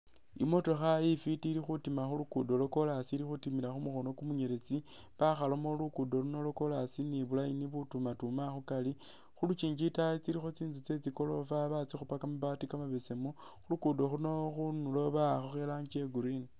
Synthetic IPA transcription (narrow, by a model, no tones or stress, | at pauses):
ḭmo̞to̞xajifitilixutimaxulukudo̞lo̞ko̞lasilixutimilaxumuxo̞no̞kumuɲe̞ɾet͡si | βaxalo̞molukudo̞luno̞loko̞lasiniβulajiniβutumatumaxukali | xulut͡ʃiːɲd͡ʒitajet͡siɾixo̞t͡siːnzut͡se̞t͡siko̞lo̞faβat͡sixupakamuβatikamaβesemu | xulukudo̞xuunoxunuloβaxoxelaɲd͡ʒeɡuɾin